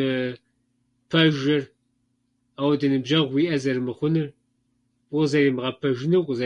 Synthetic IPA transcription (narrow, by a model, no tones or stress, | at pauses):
ɨ | pʰɐʒɨr | aːwdɨnɨbʒɐʁʷwiʔɐzɐɾɨmɨχʷʊnɨr | zɐɾimʁɐpʰɐʒɪnɨwqʷʼzɐ